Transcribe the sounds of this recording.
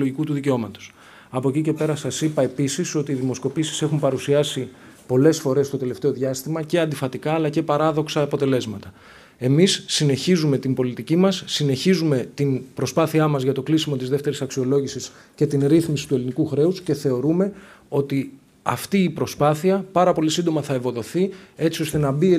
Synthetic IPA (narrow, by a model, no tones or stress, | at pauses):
loʝikut̪uðiceo̞mɐt̪o̥s | ɐpo̞cice̞pe̞ɾɐsɐsipɐe̞pisiso̞t̪iːðimo̞sko̞pisi̥se̞xumpɐɾusiɐsi | po̞le̞sfo̞ɾe̞st̪o̞t̪e̞le̞ft̪e̞o̞ðʝɐst̪imɐce̞ɐnd̪ifɐt̪ikɐːlɐce̞pɐɾɐðo̞ksɐːpo̞t̪e̞le̞zmɐt̪ɐ | e̞misːine̞çizume̞t̪imbo̞lit̪icimɐsːine̞çizume̞t̪inpɾo̞spɐθiɐmɐzʝɐt̪o̞klisimo̞t̪izðeft̪e̞ɾisɐksio̞lo̞ʝisis | ce̞t̪inɾiθmisi̥t̪ue̞linikuxɾe̞usce̞θe̞o̞ɾume̞o̞t̪i | ɐ̰ft̪iːpɾo̞spɐθiɐpɐɾɐpo̞lisind̪o̞mɐθɐe̞vo̞ðo̞θie̞t͡sio̞st̪e̞nɐbi